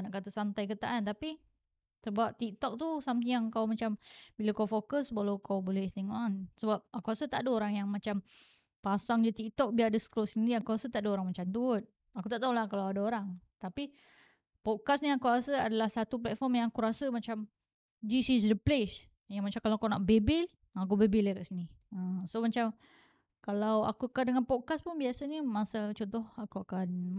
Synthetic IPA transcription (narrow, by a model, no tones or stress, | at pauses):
naʔkat̪asant̪ajkət̪aʔant̪api | səbap̚t̪ik̚t̪ɔk̚t̪usamt̪̬iaŋkawmat͡ʃambilakawfokəsbalawkʰawbolɛht̪eŋɔʔansəbap̚akuɾasət̪aʔdəoɾaŋjaŋmat͡ʃam | pasaŋd͡ʒət̪ik̚t̪ɔk̚biadəsə̥klosindiakuɾasət̪aʔdəoɾaŋmat͡ʃamt̪uʊt̪̚ | akut̪aʔt̪aulahkalawadaoɾaŋt̪api | pɔd̚kasniakuɾasəadalahsat̪up̬lɛt̪̚fɔmjaŋakuɾasəmat͡ʃam | d͡ʒisisdəples | jaŋmat͡ʃamkalawakunaʔbebɪl | akubebɪləkaʔsini | əsomat͡ʃam | kalawa̰kuakandəŋanpɔd̚kaspunbiasənimasat͡ʃɔnt̪ɔhakuakan